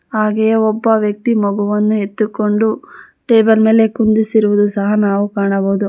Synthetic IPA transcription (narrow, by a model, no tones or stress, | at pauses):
ɦaːɡejɐɔbːɐʋjɐk̚t̪imɔɡuʋɐnːue̞t̪ːukoɳɖu | ʈeːbɐlme̞ːle̞kund̪isiɾuʋud̪usɐɦɐnaːʋukaːɳɐboːd̪u